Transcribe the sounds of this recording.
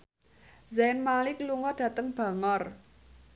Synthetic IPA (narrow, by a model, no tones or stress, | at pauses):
zanmalɪkluŋɔɖ̥ä̤t̪əŋb̥a̤ŋɔr